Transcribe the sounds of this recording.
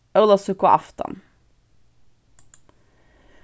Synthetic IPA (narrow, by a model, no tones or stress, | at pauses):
œʁləsʉkʊʔɑ̰ft̪ɑ̰n